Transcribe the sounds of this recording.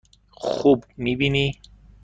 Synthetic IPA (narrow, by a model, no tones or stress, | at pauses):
xubmibini